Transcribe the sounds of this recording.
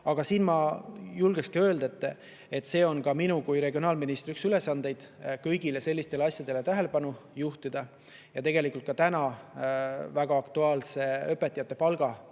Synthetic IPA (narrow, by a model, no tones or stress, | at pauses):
ɑɡ̥ɑsiːnmɑjulɡ̥ekskiø̞ːld̪et̪ːˑe | e̞t̪ːˑse̞ːo̞nkɑminukujɾe̞ɡʲionɑːlminist̪ɾyksyle̞sɑnd̪e̞jd̪̥kɤ̞jɡilese̞lːist̪e̞lɑsʲjɑd̪̥e̞let̪æɦe̞le̞pɑnujuht̪id̪̥ɑ | jɑt̪e̞ɡe̞likˑult̪kɑt̪ænɑ | væɡ̥ɑːkt̪uɑːlse̞ø̞pːe̞t̪ːˑijɑt̪ːˑe̞pɑlɡ̥ɑ